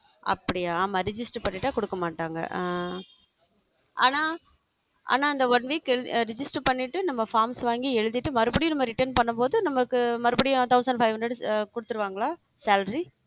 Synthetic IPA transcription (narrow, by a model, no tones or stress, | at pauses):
ɐ̰pːɐɽɪjaːmɐɾɪd͡ʒɪsʈpɐɳːɪʈːaːkɔɽɯkːɐmaːʈːaːŋɡɐ̰ | ʔa̰ːnaː | ʔa̰ːnaːɪnd̪ɐʋɐnʋiːkɛɻɾɪd͡ʒɪsʈpɐɳːɪʈːɯnɐmːɐfaːɾmsʋaːŋɡiɛɻɯðɪʈːɯmɐɾɯbɐɽɪjʊ̃nɐmːɐɾɪʈːɐɾnpɐɳːɐmpoːðɯnɐmːɐkːɯmɐɾɯbɐɽɪjʊ̃t̪ɐʊsɐɳɖfɐɪʋɐɳɖɐɽkʊɽɯt̪ːɯɾɯʋaːŋɡɐɭaː | saːlɾi